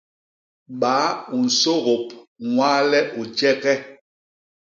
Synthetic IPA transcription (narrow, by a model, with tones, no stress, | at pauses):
ɓaː˨˦u˨n̩˨so˦ɣo˨p̚ŋwa˦lɛ˦ʔo˨d͡ʒɛ˦kɛ˦